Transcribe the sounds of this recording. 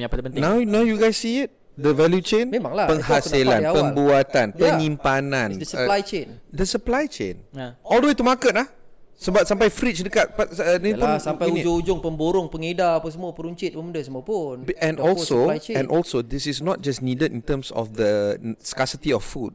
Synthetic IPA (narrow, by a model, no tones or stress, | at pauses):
pəpənawnawjuɡajsːiɪt̚ | dəvɛljut͡ʃẽnmemãŋlapəŋhaselãapəmbuat̪anpəɲĩmpanãnnsəlajt͡ʃendəsəplajt͡ʃḛ̃nɔldəwet̪umakət̚lahsəbap̚sampajfɾit͡ʃdəkat̚panĩt̪asapajud͡ʒʊŋud͡ʒʊŋpəmboɾʊŋpəŋedapəs̬əmuapəɾuɲt͡ʃɪt̪̚pəmundəsəmupunɛ̃nɔlsoajɛ̃nʔɔlsodɪsɪsnɔt̚d͡ʒasnidədḭ̃nt̪əmsɔ̰fd̪əskasit̪iɔffud̚